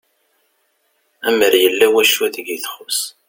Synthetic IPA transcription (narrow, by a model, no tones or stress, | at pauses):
æməɾjəlːæwæʃuæðəɡiθχʊs